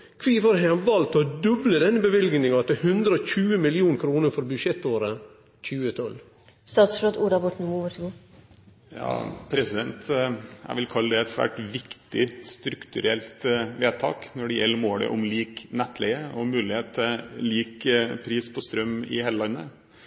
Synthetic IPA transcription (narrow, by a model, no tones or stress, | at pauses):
kʰʋiːfɔɾɦɛʋɑlt̪ɔd̪ʉbləd̪ɛnːəbəʋɪlɡnɪŋɑt̪əhʉnd̪ɾəɔçʉːəmɪlɪuːnkʰɾuːnəɾfɔɾbʉʃɛt̪oːɾə | c͡çʉːət̪ʰɔl | st̪ɑːt̪sɾoːd̪uːɾɑbɔʈɳ̩muːʋəʈɡu | jɑ̰ːpʰɾɛsɪd̪ɛnt̪æ̰ɪʋɪlkʰɑlːəd̪ɛɛt̪sʋæ̰ːʈʋɪkt̪ɪst̪ɾʉkt̪ʉɾɛlt̪ʋeːt̪ʰɑ̰ːknɔɖɛjɛlːəmoːd̪ɛ̰ʔɔmliːknɛt̪ʰːlɛəɔmʉːlɪheːt̪̚t̪ʰːɛliːkpʰɾiːspʰɔst̪ɾœmːɪ̰hɛləlɑnːə